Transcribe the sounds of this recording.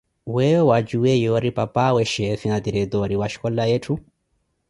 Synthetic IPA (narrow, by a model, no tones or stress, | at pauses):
wɛwad͡ʒuɛjɔɾipapawɛʃɛfinad̪iɾɛt̪ɔɾiwaʃi̥kɔlajɛtu